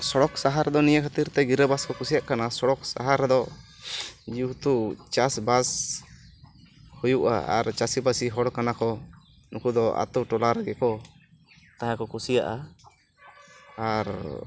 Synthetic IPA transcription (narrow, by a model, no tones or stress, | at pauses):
sɔɽɔksaɦaɾɛd̪ɔnijəkʰat̪iɾt̪ɛɡiɾəbaskɔkusijaʔkanasɔɽɔksa̰ɦaɾɛd̪ɔ | d͡ʒut̪ut͡ʃasbas | hujuʔa̰a̰ɾt͡ʃasibasiɦɔɽkanakɔ | nukud̪ɔa̰t̪uʈɔlaɾaɡɛkɔ | t̪aɦakɔkusija̰ʔa̰ | aɾ